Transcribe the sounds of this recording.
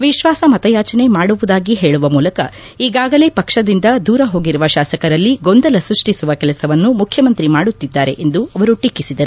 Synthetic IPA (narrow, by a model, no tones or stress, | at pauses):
ʋiʃʋaːsɐmɐt̪ɐjaːt͡ʃɐne̞maːɽuʋud̪aːɡiɦe̞ːɭuʋɐmuːlɐkɐ | iːɡaːɡɐle̞ːpɐkʂɐd̪ind̪ɐd̪uːɾɐɦo̞ːɡiɾuʋɐʃaːsɐkɐɾɐlːiɡo̞nd̪ɐlɐsɾuʂʈisuʋɐkɛlɐsɐʋɐnːumukʰjɐmɐnt̪ɾimaːɽut̪ːid̪ːaːɾe̞ʔend̪uɐʋɐɾuʈikːisid̪ɐɾu